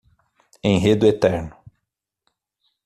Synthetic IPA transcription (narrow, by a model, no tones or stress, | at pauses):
ẽj̃ɦed̪ʊet̪ɛɾnʊ